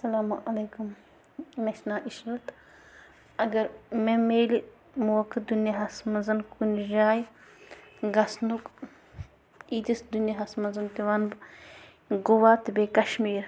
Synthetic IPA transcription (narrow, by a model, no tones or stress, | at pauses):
ɐsɐlaːmʔɐleːkum | nɐʃnaːʔiʃɾɐt̪ | ɐɡɐɾmemeːli | muwɐkɨd̪unjaɦɐsmɐnzɐnkunʒaːj | ɡɐsnuk | iːt̪isd̪unjaɦɐsmɐnzɐnt̪iʋɐnb | ɡuʋaːt̪beːkɐʃmiːɾ